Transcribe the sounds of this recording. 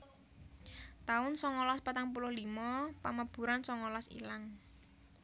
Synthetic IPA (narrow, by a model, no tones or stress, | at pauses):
t̪aʊnsɔŋɔlɔspat̪aŋpulʊhlimɔpaməb̥ṳɾansɔŋɔlɔsḭlaŋ